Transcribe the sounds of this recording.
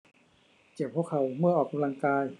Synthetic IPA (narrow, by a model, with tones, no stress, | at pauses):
t͡ɕe˨˩p̚ʰːu˥˩əkʰa˨˩˦wmɯ˥˩ɐʔɔː˨˩k̚a˧mla˧ŋkaː˧j